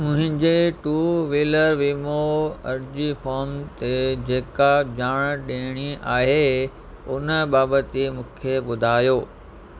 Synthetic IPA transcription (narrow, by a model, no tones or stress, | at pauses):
mʊ̃ɦɪ̃ɲd͡ʑeʈuːʋiːləɾʋiːmoɐɾd͡ʑifɔːɾmt̪ed͡ʑeːkad͡ʑaːɽ̃ɗẽːɽ̃iʔaːɦe | ʊnəɓaːbət̪imũːkʰeɓʊd̪ʱaːjoː